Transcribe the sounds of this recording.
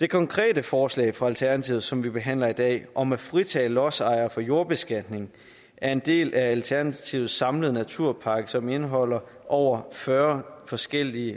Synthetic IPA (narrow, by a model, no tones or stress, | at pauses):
d̥e̝kʰɒ̽ŋkʰʁɛ̰ːdəfɒːslɛ̰ɪfʁɑ̈ælt͡sʰæɐnæt͡sʰiːð̩ˠsɒ̽mʋib̥e̝ɦæn̰lɐid̥ɛ̰ːʔɒ̽mæfʁit͡sʰɛ̰ːlɒ̽sɑ̈ɪ̰ɐfɒ̽jo̝ɐb̥e̝sɡ̥æd̥ne̝ŋ | æɐe̝nd̥e̝̰ːlʔæælt͡sʰæɐnæt͡sʰiːʊð̩ˠsɑ̈mləð̞̩ˠnæt͡sʰuɐ̰pʰɑ̈ɡ̥əsɒ̽me̝nəɦɒ̽l̰ɐ | ʔɒʊ̰ɐfɶːɐfɒ̽sɡ̥el̰iə